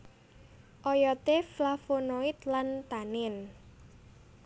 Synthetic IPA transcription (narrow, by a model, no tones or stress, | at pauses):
ʔɔjɔt̪eflafonoit̪lant̪anɪn